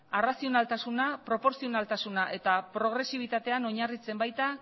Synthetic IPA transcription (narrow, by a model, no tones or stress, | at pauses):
arasio̞nalt̪asunapɾo̞po̞ɾsio̞nalt̪asunaʔe̞t̪apɾo̞ɣ̞ɾe̞siβ̞it̪at̪e̞ano̞ɲarit͡se̞mbajt̪a